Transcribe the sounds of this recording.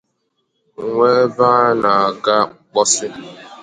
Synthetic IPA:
ŋ˨ŋʷe˦ba˦na˨a˨ɡa˦k͡pɔ˦sɪ˦

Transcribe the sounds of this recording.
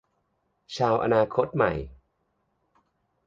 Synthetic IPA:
t͡ɕʰaː˧wʔa̰˧naː˧kʰo˦˥t̪̚ma̰˨˩j

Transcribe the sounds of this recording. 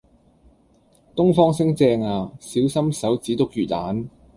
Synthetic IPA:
t̪ʊ˥ŋfɔː˥ŋsɪ˥ŋt͡sɛː˧ŋaː˨˧siː˨˥wsɐ˥msɐ˨˥wt͡siː˨˥t̪ʊ˥k̚jyː˨˩t̚laː˨˥n

